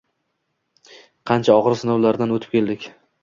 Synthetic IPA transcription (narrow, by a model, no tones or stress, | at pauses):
qʰɑnt͡ʃʰaɒʁɾsɪnɒwlaɾd̪anot̪ʰɪ̥pkʲʰe̞ld̪ɪkʲ